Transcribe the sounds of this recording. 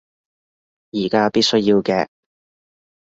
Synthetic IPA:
jiː˨˩kaː˧˥piː˥t̚sɵ˥ɥjiː˧wkɛ̰ː˧

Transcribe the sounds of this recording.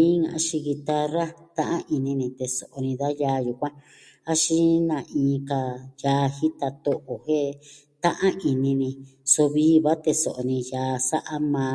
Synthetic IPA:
ĩ˦ŋã̰˨a˧˦ʃi˧ɣi˧t̪a˧ra˦t̪ã˦ʔã˦ʔi˧nĩ˧nĩ˧t̪e˧so˨ʔo˧nĩ˧ða˦jaː˧ju˧kʷã˦ | a˦ʃi˦nã˨˧ʔĩː˧˦˧ka˧jaː˧hi˦t̪a˧t̪o˧ʔo˨he˦ | t̪ã˦ʔã˦ʔi˧nĩ˧nĩ˧so˧βi˦βa˦t̪e˧so˨ʔo˨nĩ˧jaː˨˧˦sa˦ʔa˦mãː˧

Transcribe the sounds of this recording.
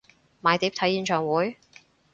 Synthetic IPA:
maː˨˧jt̪i˨˥p̚t̪ʰɐ˨˥jiː˨˧nt͡ʃʰœː˨ŋwuː˨˥j

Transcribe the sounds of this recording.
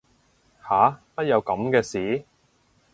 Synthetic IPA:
haː˨˦pɐ˥t̚jɐ˨˧wkɐ˨˥mkɛː˧siː˨˥

